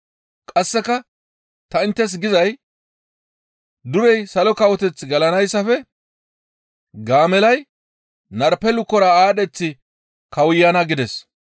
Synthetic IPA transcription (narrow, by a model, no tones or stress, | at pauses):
kʼɐsːɛkɐ | t̪ɐɪnt̪ːɛs̬ɡɪzɐj | d̪ʊɾɛjsɐlɔkɐwɔt̪ɛt͡sɡɐlɐnɐjsːɐfɛ | ɡaːmɛlɐj | nɐɾpɛlʊkːɔɾɐaːɗɛt͡sːɪ | kɐwʊjːanɐɡɪd̪ɛs